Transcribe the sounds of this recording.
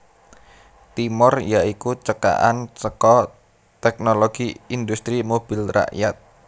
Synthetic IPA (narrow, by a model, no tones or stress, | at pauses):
t̪imɔrjaʔikut͡ʃəka̰ʔa̰nt͡ʃəkɔ | t̪ɛk̚noloɡ̥iind̪ust̪ɾimob̥ilra̰ʔjat̪̚